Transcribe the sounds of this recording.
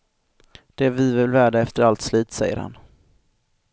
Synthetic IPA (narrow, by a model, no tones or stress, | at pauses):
d̪̥ɛvɪvɪlvæːɖaɛft̪əɾalt̪sliːt̪sɛ̰jːə̰ɾha̰n